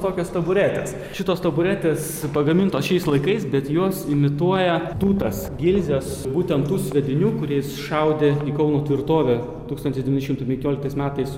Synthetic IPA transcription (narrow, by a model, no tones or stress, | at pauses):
t̪oːkʲoːst̪ɐbʊɾʲæːt̪ʲḛːs | ʃʲɪt̪oːst̪ɐbʊɾʲæːt̪ʲeːs | pɐɡɐmʲɪnt̪oːsʃʲɛɪslˠɐɪkɐɪsbʲɛt̪juɔsɪmʲɪt̪uɔjɛt̪uːt̪ɐsɡʲɪlʲzʲeːsbuːt̪ʲɛnt̪t̪ːuːsʲʋʲɛd̪ʲɪnʲuːkʊɾʲeːjɪsʃɐʊd̪ʲeiːkɐʊnuːt̪ʲʋʲɪrt̪oːʋʲɛ | t̪uːkst̪ɐnʲt̪ʲɪsd̪ʲʋʲnʲʃɪmt̪ʊɪpʲɛ̃ŋʲkʲoːlʲɪkt̪ɐɪsmʲæːt̪ɐɪs